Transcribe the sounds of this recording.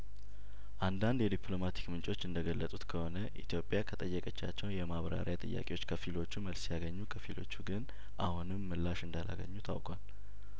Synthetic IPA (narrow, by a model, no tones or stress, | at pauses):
ʔand̪and̪jɛd̪ipʰlo̞mat̪ʰi̥kmɨnt͡ʃʼo̞t͡ʃːɨnd̪əɡəlːət̪ʼut̪kʰəho̞nəʔit̪ʰjo̞pʼːjakʰət̪ʼəjːəkʼət͡ʃːa̰t͡ʃːɛwnjɛmaβɾa̰ɾjat̪ʼɨ̰jːa̰kʼewo̞t͡ʃːkʰəfilo̞t͡ʃːuməlsjaɡəɲːukʰəfilʔo̞̰t͡ʃːuɡɨn | ʔahunɨmːɨlːaʃɨnd̪alʔa̰ɡə̰ɲːut̪ʰa̰wkʼal